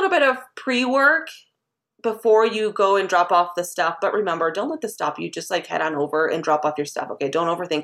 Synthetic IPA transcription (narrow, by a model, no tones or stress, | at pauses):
ɪɾ̩ˠbɪɾʌv̥pʰɹ̥iwɜ˞k | b̥əfɔɹjɨɡoʊɨ̃ndɹɑpɔfðɨstʌfb̥ʌʔ̚ɹʔɨmɛ̃mbə˞dõʊ̃nʔlɛt̪̚ðɨstɑ̰pjɨd͡ʒʌst̚ˡlaɪkhɛ̰ɾn̩oʊvə˞ʔɨ̰̃ndɹɑpɔfjə˞stʌ̰foʊkʰeɪdõʊ̃ntoʊvə˞θɪ̃ŋk